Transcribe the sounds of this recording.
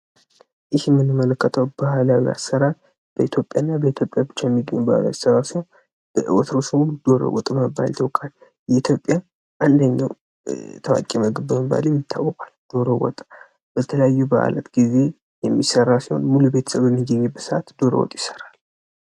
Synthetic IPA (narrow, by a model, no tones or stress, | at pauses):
jɪhjɛmːɨnɨmːələkːət̪ʰəwbahlawia̰sːəɾal | b̥əit̪ʰjo̞pʼjanːabəit̪ʰjo̞pʼjabɨt͡ʃːajɛmːiɡə̰ɲːubahla̰wisərːasihon | b̥əʔɨ̰wɔt̪ʰɾosɨmud̪̥o̞ɾo̰wɔ̰t̪ʼməbːa̰lt̪ʰəwkʼal | jɛit̪ʰjo̞pʼːja | ʔand̪əɲːaw | t̪ʰəwa̰kʼeməɡɨbəməbːa̰ljɛmjɪt̪ʰːawːəkʼald̪̥o̞ɾowɔ̰t̪ʼ | b̥ət̪ʰələjajːubaʔlə̰t̪ɡize̞ | jɛmːisərːasiho̞̰nmulube̞t̪ʰə̥səβɛmːiɡəɲebəsəʔat̪d̪̥o̞ɾə̰wɔ̰t̪ʼjɪsə̥ral